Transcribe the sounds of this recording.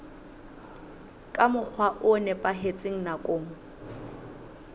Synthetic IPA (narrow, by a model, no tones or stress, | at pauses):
kʼamʊk͡xʰwaʔʊnɛpʼaɦet͡sʼeŋ̩nakʼoːŋ̩